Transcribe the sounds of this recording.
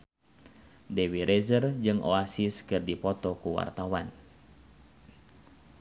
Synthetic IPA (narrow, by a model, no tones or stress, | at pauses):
dɛwiɾɛzərd͡ʒɨŋʔo̰asiskɨrdipɔt̪ɔkuwa̰rt̪awan